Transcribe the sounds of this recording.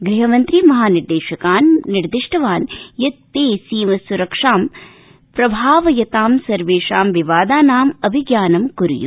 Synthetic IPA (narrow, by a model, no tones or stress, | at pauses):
ɡɾiɦɐmɐnt̪ɾimɐɦaːniɾd̪eːʃɐkaːnːiɾd̪ɪʂʈʰɐʋaːnjɐt̪̚peːsiːmɐsuɾɐkʂaːm | pɾɐbʱaːʋɐjɐt̪aːmsɐɾʋeːʃaːmʋiʋaːd̪aːnaːmɐbʱiɡjaːnɐmkuɾṵjṵ